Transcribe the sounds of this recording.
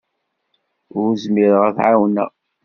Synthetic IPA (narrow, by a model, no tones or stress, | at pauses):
ʊɾzmɪɾʁəθʕawnæ̰